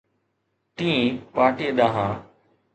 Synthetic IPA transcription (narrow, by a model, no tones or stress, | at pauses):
t̪ĩːpaːʈiːeɗ̪aːɦãː